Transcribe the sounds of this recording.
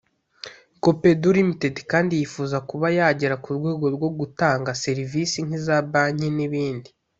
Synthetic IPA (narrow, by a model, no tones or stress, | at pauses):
kope̞duɾimitedkaːndijifuːzakuβajaːɟeɾakuɾɡwe̞ːɡo̞ɾɡwo̞ɡutaːŋɡase̞ɾivisiŋ̥izabaːɲeniβiːndi